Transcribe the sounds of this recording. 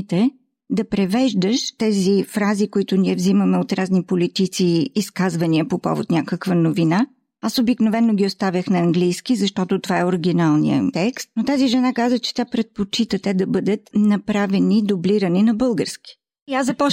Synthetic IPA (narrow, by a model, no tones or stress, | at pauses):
t̪ɛ | d̪ɐpɾɛvɛʒd̪əʃt̪ɛzifɾazikoit̪ʊniɛvziməmɛot̪ɾaznipolit̪it̪siːskazvɐniəpopɔ̰vo̰t̪nʲakəkvənovina | asobiknovɛnːoɡʲiost̪avʲəxnɐːŋɡlijskizɐʃt̪ɔt̪ot̪ovaɛoɾiɡ̟inalˠnḭə̰t̪ɛkst̪̚not̪aziʒɛnakazət͡ʃɛ̥t̪ʲapɾɛt̪̚pot͡ʃit̪ət̪ɛd̪ɐbɤd̪ət̪nɐpɾavɛnid̪obliɾəninɐbɤlˠɡəɾskʲi̥ | iazɐpɔ